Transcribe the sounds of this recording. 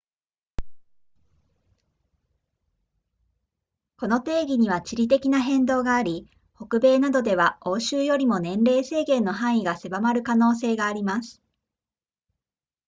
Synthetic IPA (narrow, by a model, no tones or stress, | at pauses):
ko̞no̞t̪e̞ːɡʲiɲ̟iβ̞at͡ɕiɾʲit̪̬e̞kʲinaɦẽ̞nd̪o̞ːɡaːɾʲi | ho̞kɯ̟be̞ːnad̪o̞d̪e̞βao̞ːɕɨːjo̞ɾʲimo̞nẽ̞nɾe̞ːse̞ːɡẽ̞nːo̞ɦãɰ̃iɡase̞bamaɾɯ̟kano̞ːs̬e̞ːɡaːɾʲimasɨ̥